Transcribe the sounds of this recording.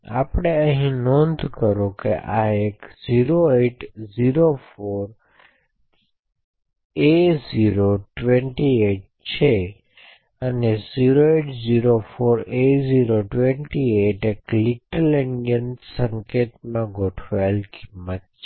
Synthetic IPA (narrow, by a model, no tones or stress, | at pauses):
a̰pɽ̃eəɦĩnõnd̪ʱkəɾõkeʔaekziɾoeʈziɾofoɾ | eziɾoʈʋẽɳʈieʈ̚t͡ʃʰe | əneziɾoeʈziɾofoɾeziɾoʈʋeɳʈieʈekliʈəleɳijənsə̃ŋket̪mãɡʱoʈʰʋalkimːət̪̚t͡ʃʰ